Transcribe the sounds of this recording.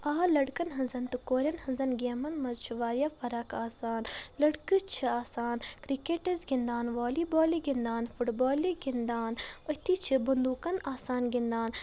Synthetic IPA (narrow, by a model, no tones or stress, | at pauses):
aːlɐɽkɐnɦɐnzɐnt̪ɨkoːɾʲjɐnhɐnzɐnɡeːmɐnmɐzt͡ʃʰiʋaːɾjafɐɾakaːsaːnlɐɽkɨt͡ʃʰiaːsaːnkɾikeːʈɐzɡind̪aːnʋoːliboːliɡind̪aːnfuʈboːliɡind̪aːnɐt̪it͡ʃʰibund̪uːkɐnaːsaːnɡind̪aːn